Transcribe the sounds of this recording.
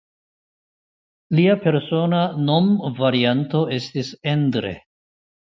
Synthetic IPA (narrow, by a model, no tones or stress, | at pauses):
liape̞ɾso̞nano̞mvaɾianto̞e̞stise̞ndɾḛ